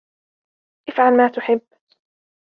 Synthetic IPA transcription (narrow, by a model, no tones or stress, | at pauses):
ʔɪfʕalmaːt̪ʊħɪbː